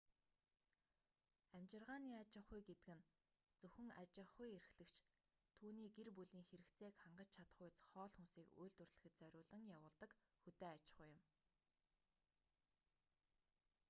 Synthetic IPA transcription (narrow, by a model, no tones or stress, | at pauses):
æmt͡ɕɪ̆rʁaːniːat͡ɕɪ̆χʊjɡet̪ɘ̆kɘ̆n | t͡sɵxɘ̆ŋat͡ɕɪ̆χʊjeɾ̆xɮɘ̆kt͡ɕʰ | t̪ʰuːniːɡerpuɮiːŋxeɾɘ̆kt͡sʰeːkχaɴɢə̆t͡ɕt͡ɕʰat̪ə̆χʊjt͡sχɔːɮxunsiːkṵjɮt̪wɵ̆rɮɘ̆xɘ̆t̪̚t͡sœɾʲʊːɮə̆ŋjawʊːɮt̪ə̆kxut̪eːat͡ɕɪ̥̆χuːjɪ̆m